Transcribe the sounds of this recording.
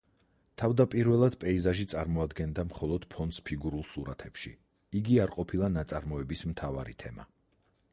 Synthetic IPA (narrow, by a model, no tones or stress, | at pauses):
t̪ʰavd̪apʼiɾvɛlˠad̪̥pʼɛizaʒit̪sʼaɾmɔad̪ɡɛnd̪amχɔlˠɔd̪̥pʰɔnspʰiɡuɾulˠsuɾat̪ʰɛpʃḭ | iɡiaɾqʼɔpʰilˠanat̪sʼaɾmɔɛbismt̪ʰavaɾit̪ʰɛma̰